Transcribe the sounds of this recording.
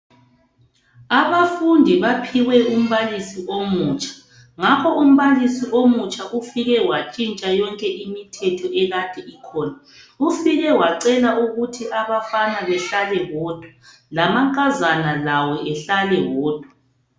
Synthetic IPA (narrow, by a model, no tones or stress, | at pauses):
aβafundʱiβapʰiɣwɛum̩βalisiʔomuːt͡ʃʼʰḁ | ŋakʰɔʔum̩βalisiʔomut͡ʃʼaʔufiɣɛwat͡ʃʼint͡ʃʼajɔŋkʼɛʔimitʰɛtʰɔɛɣad̥ʱɛikʰɔːna | ufiɣɛwaǀɛlauɣutʰiʔaβafanaβɛɬalɛɣɔːd̥ʱwa | lamaŋkʼazanalawɔʔɛɬalɛwɔːd̥ʱwa